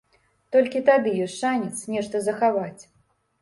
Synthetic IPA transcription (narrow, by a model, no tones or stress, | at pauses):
t̪ɔlʲkʲit̪ad̪ɨjɔsʲʂanʲɛt̪snʲɛʂt̪ɐzɐxavat͡sʲ